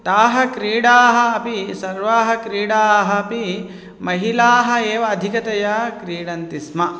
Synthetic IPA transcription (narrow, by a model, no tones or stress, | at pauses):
t̪aːɦɐ̆kɾiːɽaːɦɐ̆ɐpisɐɾʋaːɦɐkɾiːɽaːɦɐːpi | mɐɦilaːɦɐ̆eːʋɐːd̪ʱikɐt̪ɐjɐkɾiːɽɐnt̪ismɐ